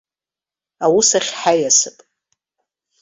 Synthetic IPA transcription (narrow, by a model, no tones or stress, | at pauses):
awusaχʲħajasɨpʼ